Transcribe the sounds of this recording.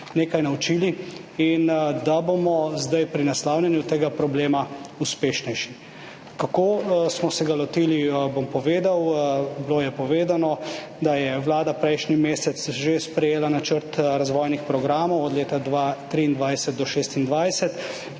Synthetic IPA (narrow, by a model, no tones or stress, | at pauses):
neːkajnawt͡ʃili | ind̪abomɔzd̪ajpɾinaslawlʲanjut̪eːɡapɾɔbleːmauspeːʃnɛjʃi | kakoːsmɔsɛɡalɔt̪ilibompɔʋeːd̪awbilojɛpɔʋeːd̪anɔ | d̪ajɛwlaːd̪apɾɛjʃnimeːsɛt̪sʒespɾɛjeːlanat͡ʃəɾt̪ɾazʋɔjnixpɾɔɡɾaːmɔwɔd̪leːt̪ad̪ʋat̪ɾiːnd̪ʋajsɛt̪̚d̪ɔʃeːst̪ind̪ʋajsɛt̪